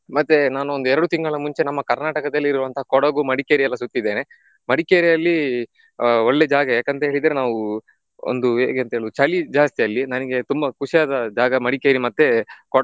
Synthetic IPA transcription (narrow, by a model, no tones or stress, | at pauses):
mɐt̪ːenaːnuond̪uɛɾɐɽut̪iŋɡɐɭɐmuɲt͡ʃenɐmːɐkɐɾnaːʈɐkɐd̪ɐlːiɾɾuʋɐnt̪ɐɦaːkɔɽɐɡumɐɽikeːɾijɛlːɐsut̪ːid̪ːeːne | mɐɽikeːɾijɐlːi | oɭːed͡ʒaːɡɐjaːkent̪ɐɦe̞ːɭid̪ɐɾenaːʋu | o̰nd̪ueːɡeɐnt̪ɐɦeɭud̪ut͡ʃɐlid͡ʒaːst̪ijɐlːinɐniɡe̞t̪umbɐkuʂijaːd̪ɐd͡ʒaːɡɐmɐɽikeːɾimɐt̪ːekɔ